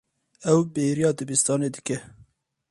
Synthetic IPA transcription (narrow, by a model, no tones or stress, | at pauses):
ɛwbeːɾijɑːd̪ɨbist̪ɑːneːd̪ɨkɛ